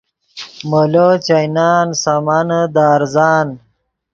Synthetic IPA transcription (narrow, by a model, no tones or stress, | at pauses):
molot͡ɕajnaːnsamand̪aːɾzaːn